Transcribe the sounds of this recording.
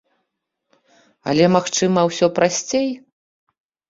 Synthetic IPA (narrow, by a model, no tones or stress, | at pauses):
ɐ̰lʲɛmaxt͡ʂɨmɐwsʲɔpɾasʲt͡sʲej